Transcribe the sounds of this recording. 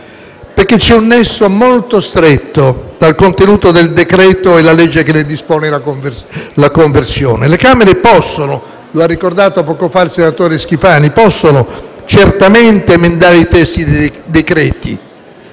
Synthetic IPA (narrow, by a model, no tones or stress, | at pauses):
perk̟ːet͡ʃːɛunːɛsːomolt̪ost̪ɾɛt̪ːod̪̥alkont̪enuːt̪od̪eld̪ekɾɛːt̪oɛlalɛd͡ʒːekelːed̪ispoːnelakovlakoɱversjɔːnelekaːmeɾepɔsːono | loarːikord̪aːt̪oapɔːkofailsenat̪oːɾesk̟ifaːnipɔsːonot͡ʃert̪amɛnt̪emend̪aːɾeit̪ɛst̪id̪ekɾɛːt̪ḭ